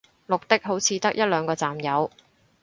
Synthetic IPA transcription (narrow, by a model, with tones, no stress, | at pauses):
lʊ˨k̚t̪ɪ˥k̚ɦo˨˥wt͡sʰiː˨˧t̪ɐ˥k̚jɐ˥t̚lœː˨˧ŋkɔː˧t͡saː˨mjɐ˨˧w